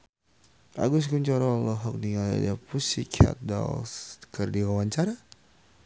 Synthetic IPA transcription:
a̰ɡʊs̬kuɲt͡ʃɔɾɔlɔɦɔk̚niŋala̰dapusikʰa̰t̪̚da̰lskərdiwawaɲt͡ʃaɾa

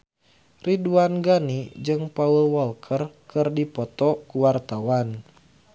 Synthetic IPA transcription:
riduanɡanid͡ʒɨŋpaulwɔlkʰərkɨrdipɔt̪ɔkuwart̪awan

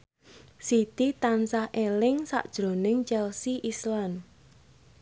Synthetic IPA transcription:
sit̪it̪ansahʔelɪŋsa̰ʔd̥ʒ̥ɾo̤nɪŋt͡ʃɛlsiʔislan

